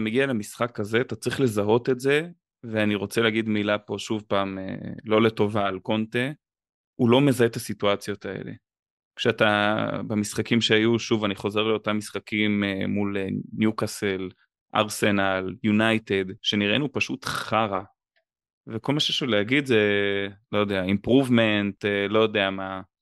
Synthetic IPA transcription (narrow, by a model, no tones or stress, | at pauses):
ameɡialemisχakaze̞atat͡sʁiχle̞zaɦo̞t̪etze̞ | veaniʁo̞t͡seleaɡid̪milapo̞ʃuvpaːmḛlo̞le̞to̞vaːlko̞nte | ulo̞me̞zaet̪asituat͡sjo̞t̪aḛle̞̰ | kʃeat̪abemisχakimʃeajuʃuvaniχo̞ze̞ʁleo̞tamːisχakimemulenjukasel | ʔa̰ʁsenaljunajt̪ed̪ʃe̞niʁenupaʃut̪χaʁa | veko̞lmaʃeʃuleaɡidzelo̞jod̪eaimpʁuvme̞ntelo̞jo̞d̪eama